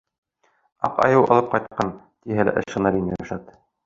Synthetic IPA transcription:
ɑ̰qɑ̰jɤwʔɑ̰lˠɤp̚qɑjt̪̚qɑn | t̪iɦælæ̰ʔɘ̰̆ʃɤ̆nɑɾin̰jæʃɑt̪

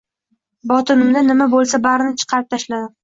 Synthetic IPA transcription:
bɒt̪ʰɪnɪmd̪anɪmabolˠsabaɾɪnɪt͡ʃʰɨ̥qʰɑɾɪp̚t̪ʰaʃlad̪ɪ

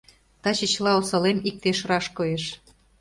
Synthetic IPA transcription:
t̪ɑt͡ɕət͡ɕlɑosɤ̆lemik̚t̪eʃrɑʃkoeʃ

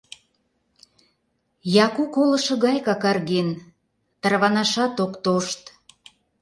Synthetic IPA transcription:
jɑkukolə̆ʃɤ̆ɣɑjkɑkɑrɣen | t̪ərβɑnɑʃɑt̪okt̪oʃt̪

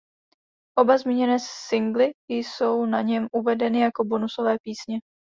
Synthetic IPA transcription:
ʔo̞bazmiːɲɛnɛːsɪŋɡlɪjso̞wnaɲɛmʔuvɛdɛnɪjako̞bo̞nuso̞vɛːpiːsɲɛ

